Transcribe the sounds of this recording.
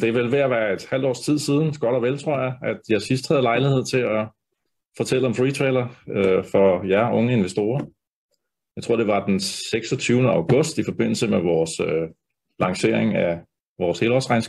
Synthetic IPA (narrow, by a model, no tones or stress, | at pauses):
d̥e̝ʋelʋe̝æʋæːɐe̝d̥hæl̰d̥ɒ̰ːst͡sʰið̞̰ˠsið̞ˠn̩ɡ̥ɒ̽ɾ̥ɒʋelt͡sʰʁo̝ɐ̰jɑ̈ɪʔæd̥jɑ̈sis̬d̥hæð̞̩ˠlɑ̈ɪlihe̝ð̞̰ˠt͡sʰe̝ɒ | fɒ̽t͡sʰel̰əɒ̽mfʁiːt͡sʰʁelɐøfɒ̽jæɐʔɔ̽ŋəe̝nʋesd̥o̝ːɐ | jɑ̈ɪt͡sʰʁo̝ɐ̰d̥e̝ʋɑ̈d̥enseɡ̥sɒt͡sʰyʊnəɑ̈ʊɡ̥ɔ̽sd̥ifɒ̽b̥e̝n̰l̩səmeʋɒːsø | lɑ̈ŋse̝ɐeŋæ | ʋɒːshe̝ːlɒsʁɑ̈ɪns